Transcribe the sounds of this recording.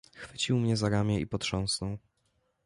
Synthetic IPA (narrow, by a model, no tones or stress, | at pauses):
xfɘt͡ɕiwmɲɛzaɾamʲjɛḭpɔt̪ʂɔ̃w̃snɔw